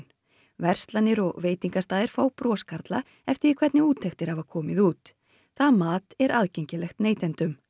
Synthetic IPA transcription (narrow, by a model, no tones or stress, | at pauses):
n | vɛr̥st̪lanːɪɾɔɣveːjt̪iŋkast̪aːðɪɾ̥fawpɾɔːskaɾt̪la | ɛft̪ɪikʰvɛt̪nɪuːt̪ʰːɛxt̪ɪɾhavakʰɔːmɪðuːt̪ | θaðmaːt̪ɛɾʔaðcejɲcɪlɛxt̪neːjt̪ɛnt̪ʏm